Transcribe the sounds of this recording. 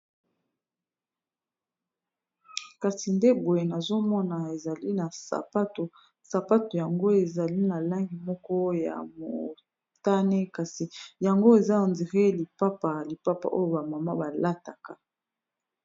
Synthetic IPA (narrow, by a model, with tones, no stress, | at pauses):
ka˨si˨nde˦bo˨je˨na˨zo˦mɔ˦na˨e˨za˨li˦na˨sa̰˨pa˦to˨ | sa˨pa˦to˨ja˨ŋɡo˦e˨za˨li˦na˨la˦ŋɡi˨mɔ˦kɔ˦ja̰˨mo˨ | ta˦ne˦ka˨si˨ja˨ŋɡo˦e˨za˦o˨nzi˨ʁe˦li˨pa˦pa˨li˨pa˦pa̰˨ʔo˦jo˨ba˨ma˨ma˦ba˨la˦ta˨ka˨